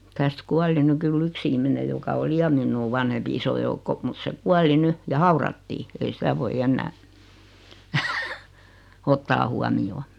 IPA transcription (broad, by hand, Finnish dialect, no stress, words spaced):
tæst kuɑli ny kylː yks ihmine jokɑ oli jɑ minːuː ʋɑnhempi iso joukːo mut se kuɑli ny jɑ hɑurɑtːiː ei sitæ ʋoi enːæː otːɑː huɑmijoː